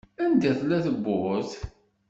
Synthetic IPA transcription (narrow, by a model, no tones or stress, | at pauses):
ænd̪æθlæθəbːʊθ